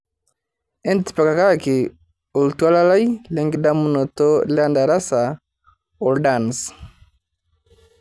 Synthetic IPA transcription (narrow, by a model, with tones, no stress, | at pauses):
ɛ˦nti̥pa˨ka˨ka˦kɪ˨ | o˨ltwa˦la˦la˦jlɛ˦ŋɡida˦mu˦nɔ˨tɔ˦la˦nda˨ɾa˦sa˨ | ɔ˨lda˨ns